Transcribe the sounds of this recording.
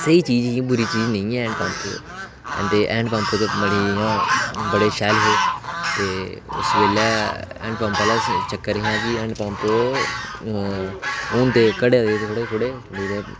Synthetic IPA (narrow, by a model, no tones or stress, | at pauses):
səiːt͡ʃiːd͡ʒkibʊɾiːt͡ʃiːd͡ʒnə̃ĩːɛːɛ̃ːɳɖpaːmt̪o̰ | ɛ̰̃ːnt̪eːʔɛ̰̃ːɳɖpãːmt̪eːt̪oːməɽiːɦãːbəɽeːʃɛːlɦoːt̪eːʊ̰sʋeːlɛːɛ̰ːɳɖpãːmpaːlaːt͡ʃəkːəɾɦãːkɪɛ̃ːɳɖpãːmpt̪oː | oːnt̪eːkəɽeːd̪eet̪ːkʰoɽeːkʰʊɽeː | ɖiːt̪eː